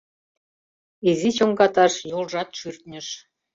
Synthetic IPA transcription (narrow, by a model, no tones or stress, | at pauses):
izit͡ɕoŋɡɑt̪ɑʃjolʒɑt̪ʃyrt̪nʲəʃ